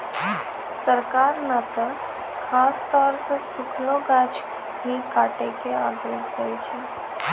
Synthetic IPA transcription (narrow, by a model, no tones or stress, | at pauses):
səɾkaɾnət̪ə | kʰast̪ɔɾsəsukʰloɡad͡ʒ | ɦikaʈekea̰d̪esd̪ejt͡ʃʰe